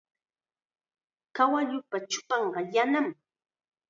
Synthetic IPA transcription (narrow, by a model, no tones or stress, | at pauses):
kawaʎʊpat͡ʃʊ̥pɑɴɢɑjanam